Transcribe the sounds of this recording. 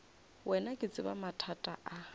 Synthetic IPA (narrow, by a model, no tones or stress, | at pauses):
wʔɛnakʼɪt͡sʼɪba̰matʰatʼaʔa